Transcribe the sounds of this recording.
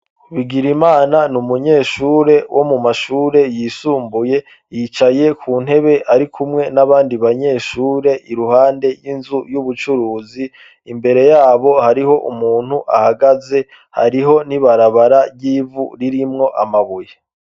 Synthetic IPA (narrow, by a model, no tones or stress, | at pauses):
βiɡiɾimaːnanumuɲe̞ːʃuːɾe̞wʔo̞mumaʃuːɾe̞jisuːmbuje̞ | jit͡ʃaje̞kʰuːn̥he̞βe̞ʔaɾikʰumŋe̞naβaːndiβaɲe̞ːʃuːɾe̞ʔiɾuɦaːnde̞jinzujuβut͡ʃuɾuːziː | mbe̞ɾe̞jaːβo̞haɾiɦo̞ʔumuːn̥huʔa̰haɡaze̞ | ha̰ɾiɦo̞niβaɾaβaɾaɟiːvṵɾiɾimŋo̞ʔamaβuje